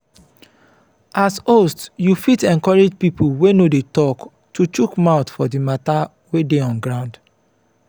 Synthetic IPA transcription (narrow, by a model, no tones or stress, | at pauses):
asostjufitɛ̃nkɔɹed͡ʒpipulwenodetɔk | tut͡ʃukmaʊtfɔdimata | wedeɔ̃nɡɹãʊ̃nd